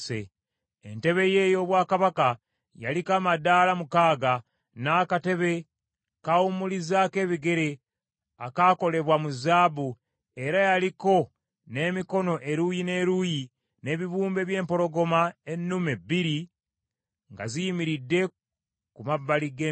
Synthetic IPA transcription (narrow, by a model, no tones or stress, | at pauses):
sḛ | ḛnte̞βe̞je̞jo̞βwaːkaβaka | ja̰likaːmadaːlamukaːɡa | naːkate̞βe̞ | kaumulizaːke̞ːβiɡe̞ɾe̞ | akaːko̞le̞βwamuzaːβu | e̞ɾajaliko̞ | ne̞ːmiko̞no̞ʔe̞ɾujine̞ːɾuji | ne̞ːβiβuːmbe̞βje̞ːmpo̞ɾo̞ɡo̞mae̞nːumebːiɾi | ŋɡa̰zijimiɾidːe̞ | kumabːaliɡe